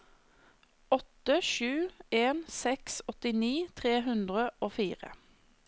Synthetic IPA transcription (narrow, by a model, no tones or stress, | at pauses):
ɔt̪əʃʉːeːnsɛksɔt̪ɪniːt̪ʰʁeːɦʉnd̪ʁəʔoːfiːʁə̰